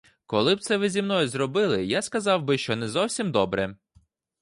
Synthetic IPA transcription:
kɔlˠɪb̚t̪sɛʋɪzʲimnɔjizɾɔbɪlˠɪjaskɐzɑwbɪʃt͡ʃɔnɛzɔwsʲimd̪ɔbɾɛ

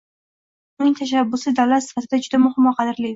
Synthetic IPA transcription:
ʊnɪŋʲt̪ʰaʃ̬abːʊsɪd̪awlat̪sɪ̥fat̪ɪd̪ad͡ʒʊd̪amʊhɪmːɒqʰɑd̪ɪɾli

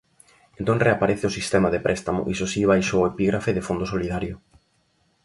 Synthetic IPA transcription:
ẽnt̪õŋreapaɾɛθeʊsist̪ɛmaðepɾʔɛst̪amʊ̰ʔisosiβ̞ajʃoːepiɣɾafeðɪfond̪osoliðaɾjʊ

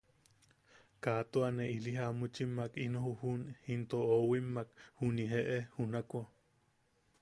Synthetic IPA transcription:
kat̪oaneʔiliɦamut͡ʃimakinohuhunhint̪oowimːakhuniɦeʔehunakʷa

